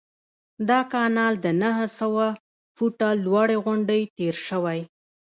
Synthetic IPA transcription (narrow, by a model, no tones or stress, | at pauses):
d̪ɑkɑnɑld̪ənaɦəsawa | fuʈalwɑɽeɣʊɳɖejt̪eɾʃəwaj